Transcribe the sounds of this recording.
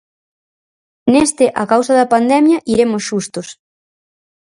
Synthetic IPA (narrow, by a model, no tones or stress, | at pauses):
nest̪ɪʔakawsɐðɐpand̪ɛmjɐʔiɾemosʃust̪ʊs